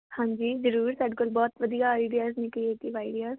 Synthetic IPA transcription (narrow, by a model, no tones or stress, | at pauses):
hãːɲd͡ʒiːzəɾuːɾsaɖkʊlbɔːt̪ʋəd̪ijaːaːɪɖijaːznikəieʈ̪iʋaːɪɖijaːz